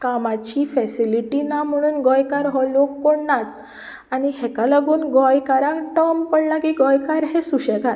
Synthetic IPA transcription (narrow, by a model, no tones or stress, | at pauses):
kamat͡ɕifɛsiliʈinam̤əɽ̃uːnɡɔjkaɾɦɔlokːoɽnat̪ | añiɦɛkalaɡuːnɡɔjkaɾãŋkʈəmpəɽlaɡiːɡɔjkaɾɦesuɕɛkat̪